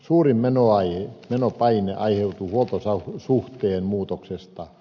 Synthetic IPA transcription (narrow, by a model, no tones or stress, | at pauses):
suːrimmenoɑiemenopɑineʔɑiheut̪uhuolt̪osɑsuht̪eːnmuːt̪oksest̪ɑ